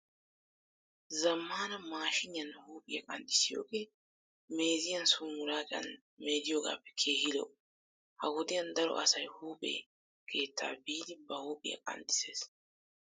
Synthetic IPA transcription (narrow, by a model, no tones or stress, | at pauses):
zɐmːaːnɐmaːʃɪɲɪɐnhuːpʼɪjɐkʼɐnd̪ɪsɪjo̰ːke̞ː | me̞ːzɪjɐnsʊmʊɾaːkʼɐ̰n | me̞ːd̪ɪjoːɡa̰ːpːɛ̥kʰe̞ːhɪlɔ̰ | hɐɡʊd̪ɪjɐnd̪ɐɾɔ̰ʔɐsɐjhuːpʼḛː | kʰe̞ːt̪ʰːa̰ːbiːd̪ɪbɐhuːpʼɪjɐ̰kʼɐ̰nd̪ʼɪ̥se̞ːs